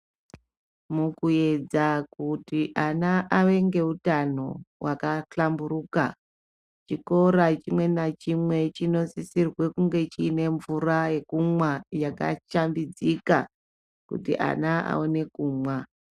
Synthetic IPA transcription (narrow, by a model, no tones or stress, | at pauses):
mukue̞d͡zakutiʔanaʔaʋe̞ŋɡe̞utano̞̰wakaɬamburuka | t͡ʃiko̞ɾat͡ʃimwe̞nat͡ʃimwe̞t͡ʃino̞sisirwe̞kuŋɡe̞t͡ʃiːne̞ɱvuraje̞kumwajaka̰t͡ʃambid͡zika | kṵtḭʔa̰naa̰o̞ne̞kuːmwa